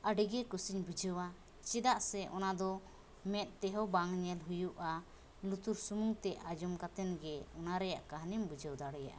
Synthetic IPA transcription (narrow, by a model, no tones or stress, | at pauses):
əɖiɡɛkusiɲbud͡ʒəwa | t͡ʃɛd̪aʔsɛʔɔnad̪ɔ | mɛt̪̚t̪ɛɦɔbaŋɲɛlɦujuʔa | lut̪uɾsumuŋt̪ɛʔad͡ʒɔmkat̪ɛnɡɛɔnaɾɛjaʔkaɦnimbud͡ʒəwd̪aɽɛja̰ʔa̰